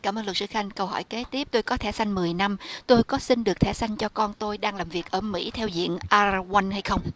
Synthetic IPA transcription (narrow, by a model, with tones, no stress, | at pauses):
kaː˧˩mʔəː˧nlə˨˩sɨ˧˩xa˧jŋ̟kə˧whɔ̰˧˩jke˨˦t̪i˦˥əp̚t̪o˧jkɔ˨˦t̪ʰɛ˧˩sa˧jŋ̟mɨ˨˩əjna˧mt̪o˧jkɔ˨˦sï˧nɗɨ˨˩ək̚t̪ʰɛ˧˩sa˧jŋ̟t͡ɕɔ˧kɔ˧nt̪o˧jɗaː˧ŋlaː˨˩mvi˨˩ək̚ʔəː˧˩mḭ˧˥t̪ʰɛ˧wzḭ˧˨ənʔaː˧ɣwa˧nha˧jxə˧wŋ͡m